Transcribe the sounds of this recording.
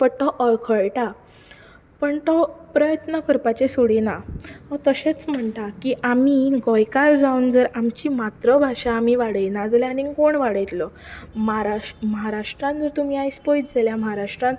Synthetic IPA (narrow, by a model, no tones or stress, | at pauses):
pəɾt̪ɔʔəɾkʰəɭʈa | pəɳt̪ɔpɾəjət̪nəkəɾpat͡ɕesoɽinaɔt̪əɕet͡sm̤əɳʈ̪akiʔamiːɡɔjkaɾd͡zaund͡zəɾamt͡ɕiːmat̪ɾəbʱaʂaːmiʋaɽəjnad͡zljanikoɳʋaɽəjt̪lɔməɦaɾaməɦaɾaʂʈɾãnd͡zəɾt̪um̤iːajspɔjt̪d͡zʱaljaməɦaɾaʂʈɾãn